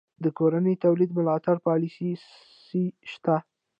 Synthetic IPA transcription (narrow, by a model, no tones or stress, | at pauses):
d̪əkoɾanət̪awlid̪mʊlɑt̪aɽpɑlisi | siʃt̪a